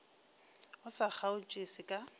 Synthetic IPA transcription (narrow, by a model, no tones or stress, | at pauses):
ʊsak͡xʰaʊt͡ʃʼesɪkʼa